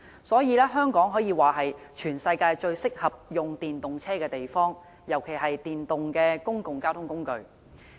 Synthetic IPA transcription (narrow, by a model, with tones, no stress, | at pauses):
sɔː˨˥jiː˨˧lɛː˥ɦœː˥ŋkɔː˨˥ŋɦɔː˨˥jiː˨˧waː˨˩ɦɐ˨jt͡ʃʰyː˨˩nsɐ˧jkaː˧jt͡ʃɵ˧ɥsɪ˥k̚hɐ˨p̚jʊ˨ŋt̪iː˨nt̪ʊ˨ŋt͡sʰɛː˥kɛː˧t̪e˨jfɔː˥ŋ | jɐ˨˩wkʰe˨˩jɦɐ˨jt̪iː˨nt̪ʊ˨ŋkɛː˧kʊ˥ŋkʊ˨ŋkaː˥wt̪ʰʊ˥ŋkʊ˥ŋkɵ˧ɥ